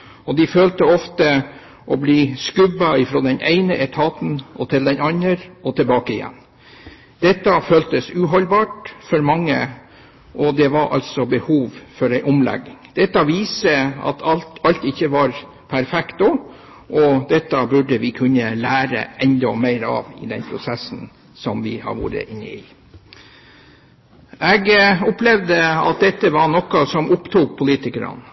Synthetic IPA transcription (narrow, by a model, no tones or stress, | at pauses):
ɔd̪ɪføːlt̪əɔft̪ə | ʔɔbliːskʉbːɑɪfɾoːd̪ɛnʔḛɪnəʔɛt̪ʰɑːt̪n̩ʔɔt̪ʰɪld̪ɛnɑnəɾɔt̪ʰɪlbɑːkəɪjɛ̰nː | d̪̥ɛt̪ːɑføːlt̪əsʉːɦɔlbɑːʈfɔɾmɑŋːə̰ | ʔɔd̪ɛʋɑɾʔɑ̰lsɔbəhuːʋfɔɾæɪʔʊmlɛ̰ɡːɪŋd̪̥ɛt̪ːɑʋiːsəɑ̰t̪ʰɑlt̪ɑlt̪ɪçːəʋɑɾ | pʰæɾfɛkt̪ɔ | ʔɔd̪ɛt̪ːɑbʉɖəʋɪkʰʉnːəlæːɾə̰ʔɛnd̪ɔmeɪɾɑ̰ːʋɪd̪ɛnpʰɾʊsɛsn̩ | sɔmʋɪhɑ̰ʋṵːɾə̰ʔɪnːə̰ɪ | ʔɛɡʊplɛʋd̪əɑ̰t̪̚d̪ɛt̪ːəʋɑɳɔkɑsɔmʔʊpt̪ʰuːk̚pʰʊliːt̪ɪkəɾɑ̰n